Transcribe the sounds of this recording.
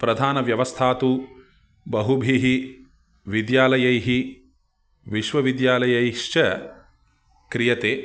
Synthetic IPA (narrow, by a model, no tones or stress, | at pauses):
pɾɐd̪ʱaːnɐʋjɐʋɐst̪ʰaːt̪u | bɐɦubʱiɦi | ʋid̪jaːlɐjɐjɦi | ʋiʃʋɐʋid̪jaːlɐjɐjʂt͡ʃɐ | kɾijɐt̪eː